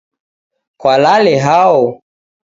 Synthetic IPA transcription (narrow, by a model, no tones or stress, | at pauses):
kwalalɛɦaɔ